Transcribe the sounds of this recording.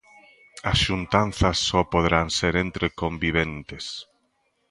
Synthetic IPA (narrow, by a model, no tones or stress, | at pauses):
ɐsʃunt̪anθɐsːɔpoðeɾaŋseɾent̪ɾekombiβ̞ent̪es